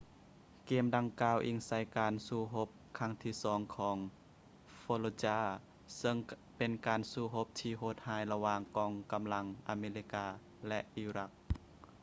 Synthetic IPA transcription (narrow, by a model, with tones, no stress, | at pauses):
keː˧˩mda˧ŋkaː˧wʔiː˧ŋsa˧˥jkaː˨nsuː˧˩ɦo˧˦˥p̚kʰa˧˥˨ŋt̪ʰiː˧˩sɔː˨˦ŋkʰɔː˨˦ŋ | foː˧lo˧t͡ɕaː˧˩ | sɤ˧ŋ | pe˨nkaː˨˩nsuː˧˩ɦo˦˥p̚t̪ʰiː˧ɦho˧˩t̪̚haː˧˥jla˧waː˧ŋkɔː˧ŋka˨mla˧˥ŋʔaː˨˧meː˧li˧kaː˧ | lɛ˧ʔʔiː˧ɾa˧˥k̚